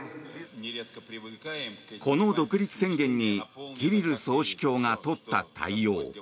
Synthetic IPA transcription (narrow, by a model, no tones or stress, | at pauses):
kʰo̞no̞d̪o̞kɯ̟ɾʲit͡sɨ̥sẽ̞ŋɡẽ̞ɲ̟ːikʲiɾʲiɾɯ̟so̞ːɕi̥kʲo̞ːŋat̪o̞t̪ːa̰t̪a̰ijo̞ː